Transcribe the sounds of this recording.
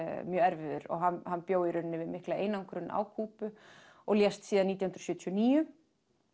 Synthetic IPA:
mjœːɛɾvɪðʏɾɔ̰ɣɦanhanːpjoːwɪɾʏnːɪvɪðmɪhklaejnaŋkʰɾʏnːʔa̰ːwkʰuːpʏ | ɔɣljɛst̪siːðaniːt̪jahnɾɔsjʏːt̪ʰjɔniːjʏ

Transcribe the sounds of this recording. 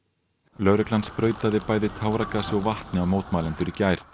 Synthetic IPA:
lœɾɛklanspɾœːɥt̪aðɪpaːjðɪt̪ʰaːwɾakasɔwvaht̪nɪawmoːwt̪maːlɛnt̪ʏɾicaːjɾ̥

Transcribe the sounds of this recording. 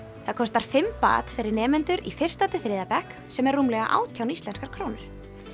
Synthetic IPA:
θaðkʰɔst̪aɾ̥fɪmpa̰ːt̪fɪɾɪɾnɛːmɛnt̪ʏɾifɪr̥st̪at̪ɪθɾɪːðapɛhk | sɛmɛɾrːuːmlɛɣaʔa̰ːwt̪ʰjawnist̪ɛnskaɾ̥kʰɾoːwnʏɾ̥

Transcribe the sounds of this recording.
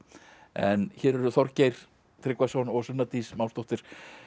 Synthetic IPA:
ɛ̰nçɛːɾɛɾʏθɔɾcejɾ̥ | t̪ʰɾɪkvasɔnɔɣsʏnːat̪ismawst̪ɔht̪ɪɾ̥

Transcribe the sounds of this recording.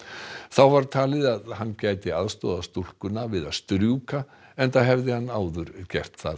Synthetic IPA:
θawvaɾt̪ʰaːlɪðaðhanːcaːjt̪ɪaðst̪ɔːðast̪ol̥kʏnavɪðaðst̪ɾjuka | ɛnt̪aɦɛvðɪhanːaːwðʏɾcɛr̥t̪θa̰

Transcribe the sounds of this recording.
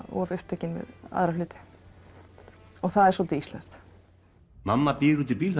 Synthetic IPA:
ɔ̰avʏhpt̪ʰɛːcɪnmɛ̰ða̰ðɾalʏːt̪ɪ̥ | ɔɣθaðɛɾsɔlt̪ɪist̪la̰nst̪ | mamːapiːɾut̪ɪlpiːlθ

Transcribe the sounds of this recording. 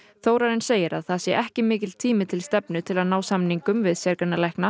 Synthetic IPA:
θoːwɾaɾɪnseːjɪɾaðθasjɛʔɛhcɪmɪːcɪlt̪ʰiːmɪt̪ʰɪlst̪ɛpnʏt̪ʰɪlaðnaːwsamniŋkʏmvɪðsjɛɾkanalajhkna

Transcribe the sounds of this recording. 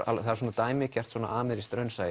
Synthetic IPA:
a̰lθaaɾs̬ɔːnat̪aːjmɪcʰɛr̥t̪sɔna̰ʔaːmɪɾist̪ɾœɥnsaːj

